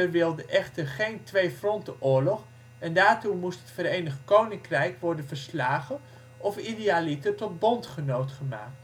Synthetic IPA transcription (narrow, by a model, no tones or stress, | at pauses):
əʋɪlˠdəʔɛχtərχejntʋejfrɔntəʔʊːɹlɔχ | ɛndaːɹtumustɦətfəɾejnəχkownɪŋkrɛjkʋɔɹdənvəɹslaːχə | ɔfideaːlitətɔt̚bɔntχənowtχəma̰ːkt